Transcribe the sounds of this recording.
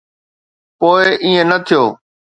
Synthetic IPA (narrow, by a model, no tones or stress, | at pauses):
poːɪʔiːẽnət̪ʰijoː